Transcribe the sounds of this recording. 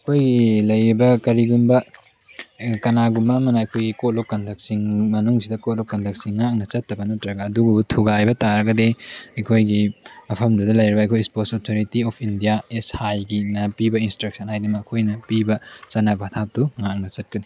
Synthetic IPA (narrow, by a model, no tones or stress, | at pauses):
ɐkʰojɡilɐjɾibɐkɐɾiɡunbɐ | kɐnaɡumɐːmɐnɐɐkʰojɡikot̚lokːɐndʰʱɐk̚siŋmɐnuŋsidɐkot̚lokːɐndʰʱɐk̚siŋːak̚nɐt͡ʃɐtːɐbɐnɐtɾɐɡɐːduɡubutʰuɡajbɐtaɾɐɡɐdeɐjkʰojɡiɐpʰɐmdudɐlɐjɾibɐjkʰojsposotʰoɾitiɔpʰindijaeshajɡinɐpibɐinstɾɐk̚sɐnhajdɐmɐkːɐkʰojnɐpibɐt͡ʃɐnabtʰap̚tuŋak̚nɐt͡ʃɐt̚kɐni